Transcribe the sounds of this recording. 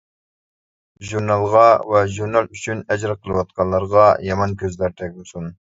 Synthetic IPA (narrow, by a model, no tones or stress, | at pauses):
ʒuɾnɑlˠʁɑvɛʒuɾnɑlˠyt͡ʃʰynɛd͡ʒɾɑqʰəlˠɨwɑt̪̚qʰɑnlˠːɑɾʁɑjɑmɑnkʲʰøzlæɾt̪ʰɛk̚ʲbusun